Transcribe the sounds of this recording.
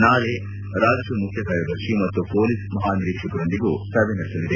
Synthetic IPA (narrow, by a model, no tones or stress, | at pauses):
naːle | ɾaːd͡ʒɐʂumukʰjɐsaːjɐb̪ʱɐɾʂimɐt̪ːupoːlismɐɦaːniɾiːkʂɐkɐɾond̪iɡusɐbʱenɐɾesɐlid̪e